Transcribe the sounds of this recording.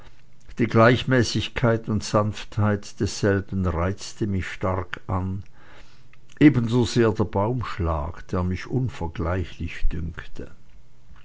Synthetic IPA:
d̥iːɡlaɪçmɛːsɪçkʰaɪtʊntz̥anfthaɪtd̥ɛsz̥ɛlbən̩ʁaɪt͡stəmɪçʃtaʁkʰʔan | ʔeːbənzozeːɐdeːɐb̥aʊmʃla̰ːkd̥eːɐmɪçʔʊnfɛɐɡlaɪçlɪçd̥ʏŋktʰə

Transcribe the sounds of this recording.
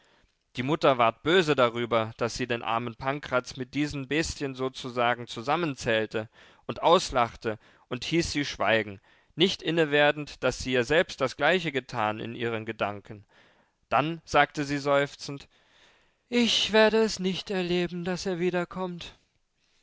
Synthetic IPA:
d̥iːmʊtɐvaɐt̚b̥øːzədaʁ̞yːbɐd̥asz̥iːdeːnʔa̰ɐmənpʰaŋkʁ̥at͡smɪt̚d̥iːzən̩bɛstçənzoːt͡suzaːɡŋ̩t͡suzamənt͡sɛːltə | ʔʊntʔaʊslaχtə | ʔʊnthiːsz̥iːʃv̥a̰ɪɡŋ̩ | nɪçtʔɪnəveːɐdn̩td̥asz̥iːiːzɛlpst̚d̥asɡ̥laɪçəɡətʰaːnɪ̰nʔḭːʁ̞ənɡədaŋkʰən̩ | d̥anz̥aːk̚təziːzɔʏft͡sn̩t | ʔɪçv̥eːɐɾəɛsnɪçtɛɐleːbm̩daseːɐviːdɐkʰɔmt

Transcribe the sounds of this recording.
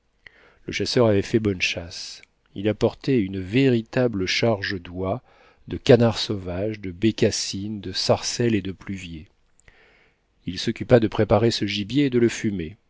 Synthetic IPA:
ləʃasœʁavɛfɛbɔnʃas | ilapɔʁt̪ɛynəveʁit̪abləʃaʁʒəd̪wa | d̪əkanaʁsovaʒd̪əbekʲasind̪əsaʁsɛled̪əplyvje | ilsɔkʲypad̪əpχepaʁesəʒibjeːd̪ələfyme

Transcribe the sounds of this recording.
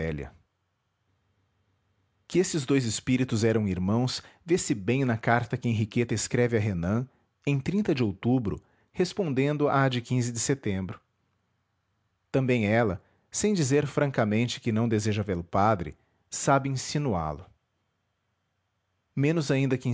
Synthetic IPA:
ɛljɐ̰ | kɪesɪzd̪ojzɪspiɾit̪ʊzɛɾɐ̃w̃iɾmɐ̃w̃svesɪbẽj̃nɐkaɾt̪ɐkɪẽɦiket̪ɐɪskɾɛvɪɐɦenɐ̃ | ẽj̃t̪ɾĩnt̪ɐd͡ʒɪowt̪ubɾʊ̰ | hespõnd̪ẽnd̪ʊad͡ʒɪkĩzɪd͡ʒɪset̪ẽmbɾʊ | t̪ɐ̃mbẽj̃ɛlɐ | sẽj̃d͡ʒizeɾfɾɐ̃ŋkɐmẽnt͡ʃɪ̥kɪnɐ̃w̃d̪ezeʒɐveɾʊpad̪ɾɪ̰ | sabɪĩsinua̰lʊ | mẽnʊzaĩnd̪ɐkɪ̃

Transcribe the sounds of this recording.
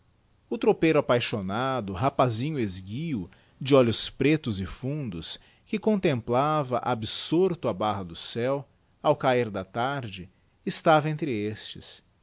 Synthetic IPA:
ʊt̪ɾopejɾʊapajʃonad̪ʊɦapazĩɲʊezɡiʊ | d͡ʒɪɔʎʊspɾet̪ʊzɪfũnd̪ʊ̰s | kɪkõnt̪ẽmplavɐʔabɪsoɾt̪ʊabaɦɐd̪ʊsɛw | awkaiɾd̪ɐt̪aɾd͡ʒɪ | ɪst̪avɐẽnt̪ɾɪest͡ʃɪ̰s

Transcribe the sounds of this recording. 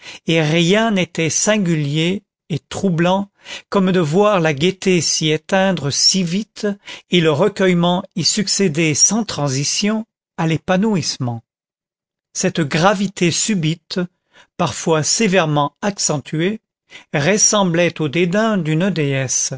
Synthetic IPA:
eʁjɛ̃net̪ɛsɛ̃ɡʲyljeː | t̪χublɑ̃ | kɔmd̪əvwaʁlaɡʲet̪esiet̪ɛ̃d̪ʁəsivit̪eləʁəkʲœjmɑ̃isyksed̪esɑ̃t̪χɑ̃zisjɔ̃ | alepanuismɑ̃ | sɛt̪ɡʁavit̪ʰesybit̪ | paʁfwasevɛʁmɑ̃aksɑ̃t̪ʰye | ʁəsɑ̃blɛt̪od̪ed̪ɛ̃d̪ynød̪eɛs

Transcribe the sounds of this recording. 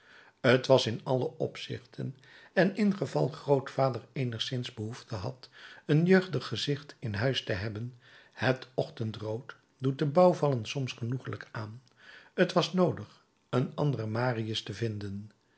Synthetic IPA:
ətʋɑsɪnɑləʔɔpsɪ̰χtʰən | ɛnɪnχəvɑ̰lˠχrowtfaːdəɹejnəχsɪnzbəɦuftəɦɑ̰tənjøɥχdəχːəzɪχtɪnɦœɥstəɦɛbən | hətɔχtəntrowt | dut̚dəbɑwvɑlənsɔmsχənuχələkaːn | ətʋɑsnowdəχ | ənɑ̰ndərəmaːriəstəvɪndən

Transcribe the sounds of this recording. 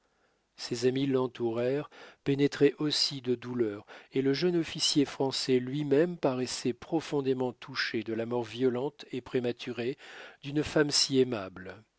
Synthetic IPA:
sɛzamilɑ̃t̪uʁɛʁpenɛt̪χɛʔosid̪əd̪ulœːʁeləʒœnɔfisjefχɑ̃sɛlɥimɛmpaʁɛsɛpχɔfɔ̃d̪emɑ̃t̪ʰuʃed̪əlamɔʁvjɔlɑ̃t̪epχemat̪ʰyʁed̪ynfamsiɛmabl

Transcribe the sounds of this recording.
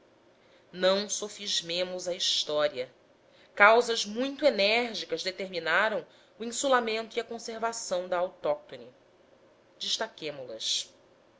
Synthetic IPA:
nɐ̃w̃sofiʒmẽmʊzɐiʃt̪ɔɾiɐ | kawzɐzmũj̃t̪uenɛɾʒikɐzd̪et̪eɾminaɾɐ̃w̃ | uĩsulamẽnt̪ʊiɐkõseɾvasɐ̃w̃d̪ɐawt̪ɔk̚t̪oni | d͡ʒiʃt̪akẽmʊlɐs

